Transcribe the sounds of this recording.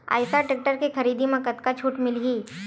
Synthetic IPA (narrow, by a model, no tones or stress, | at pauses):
a̰ːɪsaʈek̚ʈəɾkexɐɾiːd̪imɐ̃kət̪kat͡ʃʰuːʈmɪlɦiː